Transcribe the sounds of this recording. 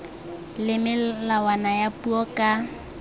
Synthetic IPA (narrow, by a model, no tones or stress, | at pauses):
lɪmɪlawanajapʼuɔkʼa